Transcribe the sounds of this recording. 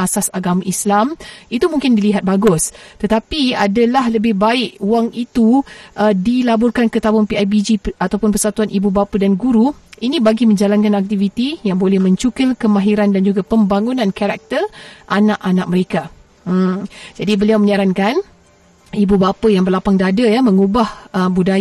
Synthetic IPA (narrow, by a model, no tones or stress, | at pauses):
asasaɡamaislamit̪umuŋkɪndiliɦat̪̚baɡʊst̪ət̪apiadalahləbɪhbaɪʔuwaŋit̪uʔədilabʊrkankət̪abʊnpiajbid͡ʒiat̪awpʊnpərsat̪uanʔibubapədanɡuɾuinĩbaɡimə̃ɲd͡ʒalankanak̚t̪ivit̪ijaŋbolɛhmə̃ɲt͡ʃukəlkəmãɦiɾandand͡ʒuɡapəmbaŋunãnkaɾak̚t̪ərʔanãʔanak̚məɾeka | m̩d͡ʒadibəliawmə̃ɲaɾankan | ibubapəjaŋbərlapaŋdadajamə̃ŋubahʔəbuda